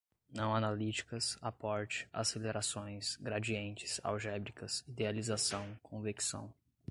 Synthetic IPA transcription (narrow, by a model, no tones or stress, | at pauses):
nɐ̃w̃analit͡ʃi̥kɐsapɔɾt͡ʃɪ̥a̰seleɾʔasõj̃sɡɾad͡ʒiẽnt͡ʃɪ̥sa̰wʒɛbɾikɐsid̪ealizasɐ̃w̃kʰõviksɐ̰̃w̃